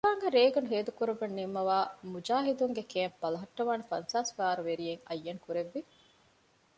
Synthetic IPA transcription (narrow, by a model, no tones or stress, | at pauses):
kaːŋɡɐɾeːɡɐnuɦeːd̪ukuɾubɐnːimːɐʋaːmud͡ʒaːɦid̪uŋɡekeːmbɐlɐɦɐʈːɐʋaːnɐfɐ̰nsaːsɡaːɾuʋeɾijeŋɐ̰jːɐŋkuɾeʋːi